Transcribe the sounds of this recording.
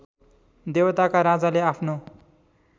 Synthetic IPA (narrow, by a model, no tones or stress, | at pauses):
d̪ewt̪akaɾad͡zaleapʰno